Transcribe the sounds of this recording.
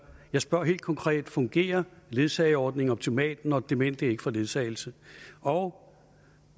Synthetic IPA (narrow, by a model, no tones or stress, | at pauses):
jɑ̈ɪsb̥ɶɐ̰ɦe̝ːld̥̚kʰɒ̽ŋkʰʁɛ̰ːd̥fɔ̽ŋɡ̥e̝̰ːɐle̝ðˠsɛɪɒːd̥ne̝ŋɒb̥̚t͡sʰimɛ̰ːd̥n̩ɒ̽d̥e̝me̝n̰d̥ee̝ɡ̥əfɒ̽le̝ðˠsʰɛ̰ːɪl̩səɒʊ